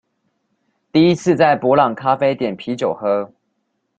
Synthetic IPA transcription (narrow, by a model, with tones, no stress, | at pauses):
t̪i˥˩i˦t͡sʰɹ̩˥˧t͡sa˥˩ɪpwɔ˧˥lɑ˨˩ŋkʰa˥˦fe˥ɪt̪jɛ˨˩npʰi˨˦t͡ɕjo˨˩ʊxɤ˧˥